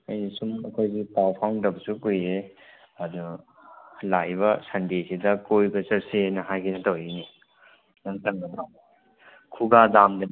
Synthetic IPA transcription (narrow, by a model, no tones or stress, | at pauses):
ɐ̰jnisumɐkʰojɡipawpʰaŋdɐbsukujɾe | ɐdu | lajbɐsɐndesidɐkojbɐsɐp̚senɐɦajkʰinɐtawjini | nɐŋtɐŋɡɐbɾa | kʰuɡadamdɐ